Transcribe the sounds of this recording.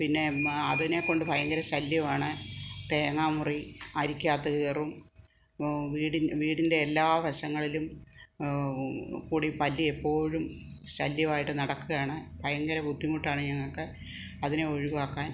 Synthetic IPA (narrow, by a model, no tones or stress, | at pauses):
pinːe̞ɐðine̞ko̞ɳɖɨbʱɐjɐŋɡɐɾɐɕɐljɐʋaːɳɨt̪eːŋaːmuriɐɾikʲːaːt̪ːɐɣeːrum | ʋiːɽinʋiːɽinde̞ːlːaːʋʱɐɕɐŋːɐɭilum | kuːɽipɐlːiepːo̞ːɻum | ɕɐljɐʋaːjiʈːɨnɐɽɐkːɨɣaːɳɨbʱɐjɐŋɡɐɾɐbʱud̪ʱːimuʈːaːɳɨɲɐŋːɐɭkɨ | ɐðineo̞ɻiʋaːkːaːn